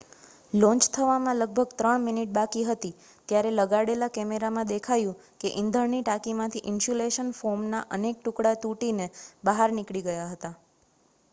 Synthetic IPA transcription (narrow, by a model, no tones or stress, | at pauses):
lɔ̃ɲt͡ʃt̪ʰəʋamãləɡ̚bʱəɡt̪ɾəɳminiʈ̚bakiɦət̪i | t̪jaɾeləɡaɽelakɛmeɾamãd̪ekʰajũ | keʔɪnd̪ʱəɾniʈakimãt̪ʰiʔɪnʃuleʃənfoɾmnaʔənek̚ʈukɽat̪uʈinebəɦaɾnikɭiɡəjaɦət̪a